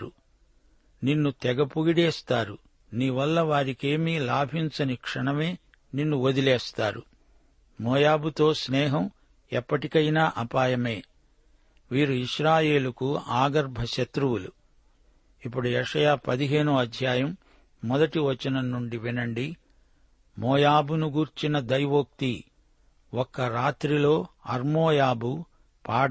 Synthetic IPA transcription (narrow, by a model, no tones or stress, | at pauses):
u | ninːut̪ɛɡɐpuɡiɽɛːst̪aːɾu | niːʋɐlːɐʋaːɾike̞ːmiːlaːbʱiɲt͡ʃɐnikʂɐɳɐme̞ː | ninːuod̪ilɛːst̪aːɾṵ | mɔːjaːbut̪o̞ːsnɛːɦɐm | ɛpːɐʈikɐjnaːʔɐpaːjɐme̞ː | ʋiːɾuiʃɾaːje̞ːlukuaːɡɐɾbʱɐʃɐt̪ɾuwulṵ | ip̬ːuɽuɛʂɐjaːpɐd̪iɦe̞ːnuɐd̪ʱjaːjɐmː | ɔd̪ɐʈiʋɐt͡ʃːɐnɐnːuɳɖiʋinɐɳɖi | mɔːjaːbunuɡuːɾt͡ʃinɐd̪ɐjʋoːk̚t̪i | ɔkːɐɾaːt̪ɾilo̞ːɐɾmoːjaːbu | paːɽ